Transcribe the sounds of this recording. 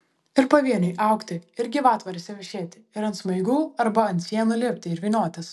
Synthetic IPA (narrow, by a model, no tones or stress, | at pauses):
ɪɾpɐʋʲiɛnʲɛɪʔɐˑʊkt̪ʲɪɪɾʲɡʲɪʋɑːt̪ʋɐɾʲɪsʲɛʋʲɪʃʲeːt̪ʲɪɪɾɐnt̪smɐɪɡuːɐɾbɐɐnt̪ʲsʲiɛnulʲɪːpʲt̪ʲɪɪɾʲʋʲiːnʲoːt̪ʲɛs